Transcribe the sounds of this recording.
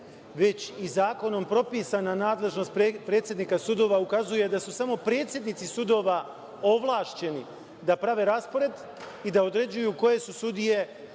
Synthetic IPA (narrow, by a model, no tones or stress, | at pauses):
ʋe̞t͡ɕizaːko̞no̞mpɾo̞piːsananaːd̪le̞ʒno̞st̪̚ppɾe̞ːt̪sjed̪niːkasud̪o̞ːʋaukazuje̞d̪asusamo̞pɾe̞ːt̪sʲje̞d̪nit̪sisud̪o̞ːʋa | o̞ʋlˠaːʃt͡ɕe̞ni | d̪apɾaʋe̞ɾaspo̞ɾe̞d̪ | id̪aod̪ɾe̞d͡ʑujuko̞je̞susud̪ije̞